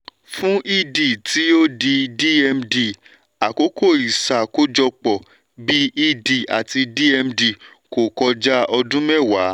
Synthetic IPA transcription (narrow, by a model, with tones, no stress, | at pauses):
fũ˦i˦di˨tʰi˨˦o˦di˧di˦ɛ˧mdi˧˨ | a˨ko˨˦ko˦˨i˨sa˨ko˦d͡ʒɔ˧k͡pɔ˨ | bi˦i˦di˨a̰˨ti˧di˦ɛ˧mdi˨ | ko˨kɔ˧d͡ʒa˦ɔ˧dũ˦mɛ˦˨wa˨˦